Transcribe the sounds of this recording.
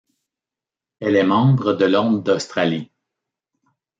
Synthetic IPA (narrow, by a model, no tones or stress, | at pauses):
ɛlɛmɑ̃ːbʁəd̪əlɔ̃md̪ost̪ʁali